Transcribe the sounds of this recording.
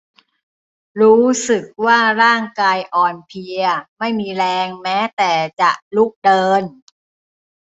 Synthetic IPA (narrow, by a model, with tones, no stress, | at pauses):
ɾuː˦˥sɯ˨˩k̚waː˥˩ɾaː˥˩ŋkaː˧jʔɔː˨˩npʰi˧ɐma˥˩jmiː˧ɾɛː˧ŋmɛː˦˥t̪ɛː˨˩t͡ɕa˨˩ʔlu˦˥k̚dɤː˧n